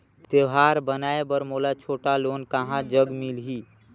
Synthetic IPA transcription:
t̪eʋɦaːɾbənaːebəɾmoːlat͡ʃʰoːʈaloːnkaɦãd͡ʒəɡmɪlɦiː

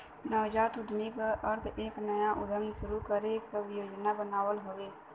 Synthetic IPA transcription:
nəːd͡ʒaːt̪ʊɖnikaʔəɾt̪ʰeːknəjãʔʊd̪ənʃʊɾukəɾekʋjoːd͡ʒnabənaːwəlɦoʋeː

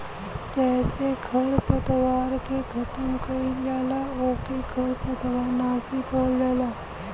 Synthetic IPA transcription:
d͡ʒɛːseɡʱɐɾpət̪ʋaːɾkeɡʰʱɐt̪əmkɐid͡ʒaːlaoːkeɡʱɐɾpət̪ʋaːɾnaːsikɔld͡ʒaːlaː

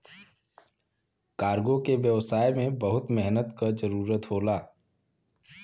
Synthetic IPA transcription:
kaːɾɡõkeʋjəʋsaːjmẽbəɦʊt̪mɛɦnət̪kad͡ʒəɾuːɾət̪ɦoːlaː

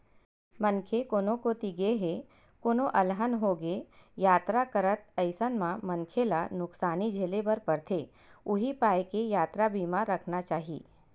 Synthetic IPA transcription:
mənkʰekoːnõkot̪iɡeɦe | koːnõʔɐlɦənɦoɡejaːt̪ɾakəɾət̪əɪsənmãmɐ̃nkʰelanʊksaːnid͡ʒʱeːlebɐɾpɐɾt̪ʰe | ʊɦipaːjkejaːt̪ɾabiːmãɾəkʰnat͡ʃaːɦiḭː

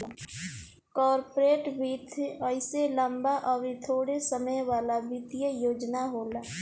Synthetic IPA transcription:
kɔːɾpɾeːʈbiːt̪ʰəɪselə̃mbaʔɔːɾit̪ʰoːɽesəməjʋaːlabit̪ijəjoːd͡ʒnaɦoːlaː

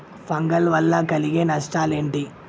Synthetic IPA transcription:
pɐŋɡɐlʋɐlːɐkɐliɡeːnɐʂʈaːleːɳʈi

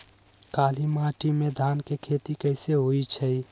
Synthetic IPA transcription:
kaːlimaʈimẽd̪ʱaːnkekʰet̪ikəɪseɦoit͡ʃʰəj

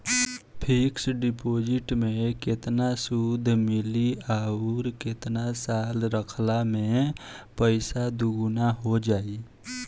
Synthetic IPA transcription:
pʰiksɖɪpoːd͡ʒɪʈmẽkɪt̪nasud̪ʱmɪliaɾkɪt̪nasaːlɾəkʰlamẽpəɪsad̪ʊɡnaɦod͡ʒaːi

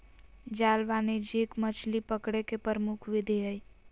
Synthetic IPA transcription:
d͡ʒaːlʋaned͡ʒekmət͡ʃʰlipəkɽekepəɾəmukʰʋɪd̪ʱeɦəj

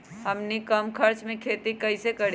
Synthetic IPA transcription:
ɦəmnikəmkʰəɾt͡ʃmẽkʰet̪ikəɪsekəɾ

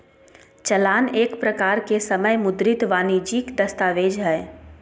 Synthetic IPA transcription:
t͡ʃəlaːneːkpɾəkaːɾkesəməjmʊd̪ɾɪt̪ʋaːnid͡ʒiːkd̪ɐst̪aːʋeːd͡ʒɦɛː

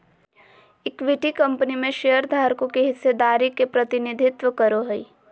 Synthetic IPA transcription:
ɪkʋɪʈikɐ̃mpənimẽʃejəɾd̪ʱaːɾkõkeɦɪsːed̪aːɾikepɾɐt̪ɪnɪd̪ʱɪt̪ʋəkɐɾoɦɐi

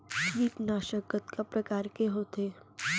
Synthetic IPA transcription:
iːp̪naːʃəkət̪kapɾɐkaːɾkeɦoːt̪eː

